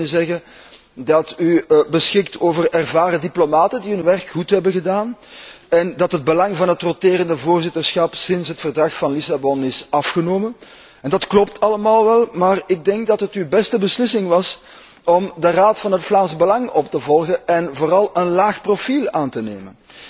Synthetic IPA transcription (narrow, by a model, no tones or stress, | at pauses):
zɛɣə | dɑtybəsxɪktoːvərɛrvaːɾədiplomaːtəndiɦɵnʋɛrkxutɦɛbəɣədaːn | ɛndɑtɦəd̚bəlɑŋvɑnɦətroteːɾəndəvoːrzɪtərsxɑpsɪnsɦətfərdrɑxfɑnlisabɔnɪsɑfxənoːmən | ɛndɑtklɔp̚tɑləmaːlˠʋɛlˠmaːrɪɡ̚dɛŋk̚dɑtɦətyːbɛstəbəslɪsɪŋʋɑs | ɔmdəraːtfɑnɦətflaːnsəbəlɑŋɔptəvɔlˠɣəɛnvoːɾɑlˠənlaːxprofilˠaːntənḛːmən